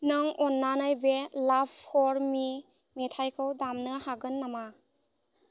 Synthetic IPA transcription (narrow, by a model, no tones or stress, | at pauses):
nɯŋɔnːanajbelabpʰːɔɾmi | metʰajkʰɯwdamnɯhaɡɯnːama